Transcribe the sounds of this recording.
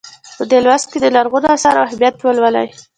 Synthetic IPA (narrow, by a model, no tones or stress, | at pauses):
pəd̪elwast̪̚ked̪əlaɾɣod̪oasɑɾawɦɪbjat̪ːwəlwala̰j